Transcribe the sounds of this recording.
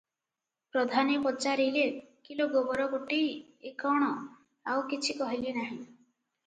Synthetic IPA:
pɾɔd̪ʱanipɔt͡ʃaɾilekiloɡobɔɾɔkoʈi | ekɔɽ̃ɔ | awkit͡ʃʰikɔɦilinaɦĩ

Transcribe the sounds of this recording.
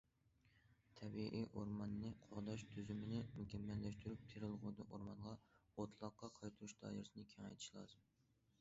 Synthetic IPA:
t̪ʰɛbiʔiʔoɾmɑnːɨqʰoʁd̪ɑʃt̪ʰyzymɪnɪmykʲɛmːɛlːɛʃt̪yɾyp̚t̪ʰeɾɨlˠʁʊd̪ɨʔoɾmɑnʁɑot̪ʰlˠɑqːɑqʰɑjt̪ʰuɾuʃd̪̥ɑ̰ːjiɾɨsɨnɨkʲʰeŋɛ̰jt̪ʰʃlˠɑ̰ːzɨm

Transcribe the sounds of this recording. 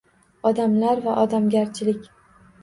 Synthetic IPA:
ɒd̪amlaɾvaʔɒd̪amɡʲaɾt͡ʃʰɪlɪkʲ

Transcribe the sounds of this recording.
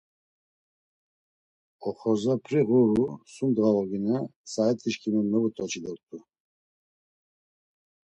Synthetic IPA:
ɔχɔzapʰɾiʁuɾusund̪ʁalɔɡinasaɛt̪ʰiʃkʰʼinɛmɛvut̪ʰʼɔt͡ʃʰid̪ɔk̚t̪ʼu

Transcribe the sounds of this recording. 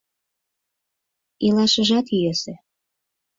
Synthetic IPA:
ilɑʃəʒɑt̪iøse

